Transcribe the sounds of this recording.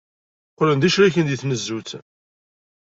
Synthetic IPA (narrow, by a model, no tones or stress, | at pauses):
qːlənd̪æʃɾæçənd̪iθnəzːut͡s